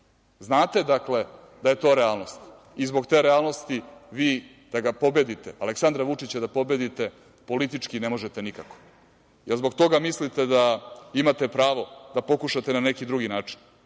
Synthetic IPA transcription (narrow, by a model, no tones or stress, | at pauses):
znaːt̪e̞d̪akle̞ | d̪aje̞t̪o̞ːɾealˠno̞st̪ | izbo̞ɡt̪e̞ːɾealˠno̞st̪iʋiː | d̪̥aɡapo̞bed̪it̪e̞aleksand̪ɾaʋut͡ʂit͡ɕad̪apo̞be̞d̪it̪e̞ | po̞lit̪it͡ʂkinemo̞ʒet̪enikako̥ | jelzboɡt̪o̞ɡamislit̪e̞d̪aimat̪e̞pɾaːʋo̞d̪apo̞kuʃat̪e̞nane̞kid̪ɾuɡinaːt͡ʂi̥n